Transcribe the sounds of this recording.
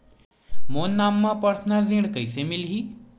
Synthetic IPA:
moːnːaːmːãpəɾsnad̪ʱiɽ̃kəisemɪlɦiː

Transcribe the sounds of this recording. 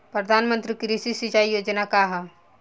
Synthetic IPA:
pɾəd̪ʱaːnmə̃nt̪ɾikiɾisisit͡ʃaijoːd͡ʒnakaɦ

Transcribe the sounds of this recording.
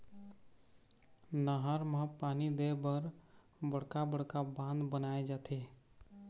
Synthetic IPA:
nəɦaɾmãpaːnid̪ebəɾ | bəɽ̤kabəɽ̤kabãːnd̪bənaːed͡ʒaːt̪ʰeː

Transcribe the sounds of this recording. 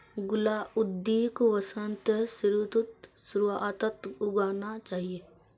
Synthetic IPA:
ɡʊlaːʊd̪ːiːkʋəsənt̪sɾut̪ut̪sɾuat̪ət̪ʊɡaːnat͡ʃaːɦieː

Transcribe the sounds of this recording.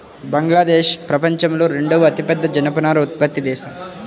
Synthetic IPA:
bɐŋɡlaːd̪eːʃpɾɐpɐɲt͡ʃɐmloːɾeɳɖɐʋɐɐt̪ipɛd̪ːɐd͡ʒɐnɐpɐnaːɾɐut̪pɐt̪ːid̪ɛːʃɐ

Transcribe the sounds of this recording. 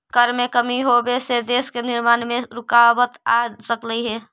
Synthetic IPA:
kəɾmekəmiɦobesed̪eskenɪɾmaːnmẽɾʊkabət̪asəkləiɦɛː

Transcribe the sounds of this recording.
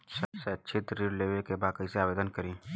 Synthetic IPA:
sɐbseɐtːʃʰit̪ɾiɾleːʋekebaːkɐiseaːʋeːd̪ənkɐɾĩː

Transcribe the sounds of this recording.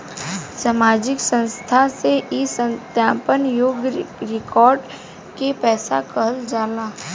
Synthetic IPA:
saːmaːd͡ʒɪksə̃nst̪ʰaseʔisə̃nt̪jãːpənjoːɡɾɪkɔːɾɖ | kepɛːsa̰kəɦəld͡ʒaːlaː

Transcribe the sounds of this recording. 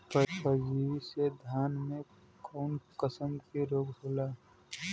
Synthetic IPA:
pəpəd͡ʒiised̪ʱaːnmẽ | kɔʊnkəsəmkiɾoːkbʱoːla

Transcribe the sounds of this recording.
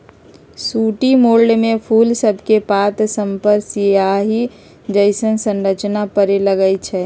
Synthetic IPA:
suːʈimoːlɖmẽpʰuːlsəbʱkepaːt̪səmpəɾsijaɦi | d͡ʒəɪsənsə̃nɾət͡ʃnapəɾeləɡəjt͡ʃʰɛ

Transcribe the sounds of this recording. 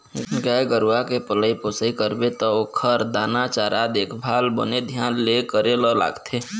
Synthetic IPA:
ɡɛɡəɾwakepələiposikəɾbet̪ɔokʰəɾd̪anat͡ʃaɾʔad̪eːkʰbʱaːlbə̰ned̪ʱjaːnlekəɾelɔla̰ːɡt̪ʰe

